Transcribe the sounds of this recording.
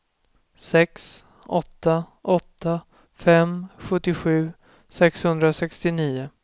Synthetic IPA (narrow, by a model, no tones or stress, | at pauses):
sɛks | ɔt̪ːa | ʔɔt̪ːa | fɛmɧɵt̪ːɪɧʉ̟ː | sɛkshɵnd̪ɾasɛkst̪ɪniːʊ